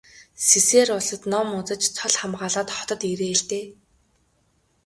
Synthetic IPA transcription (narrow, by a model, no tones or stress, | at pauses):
siseːrʊɮə̆t̪nɔmʊt͡sə̆t͡ɕt͡sʰɔɮχamɢaːɮaːt̪χɔ̥t̪ɞ̆t̪iɾeːɮt̪eː